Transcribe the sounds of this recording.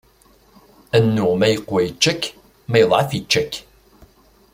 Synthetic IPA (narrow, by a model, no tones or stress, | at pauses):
ænːumæjəqwæjət͡ʃːækː | mæjəðˤʕɑfjət͡ʃːækː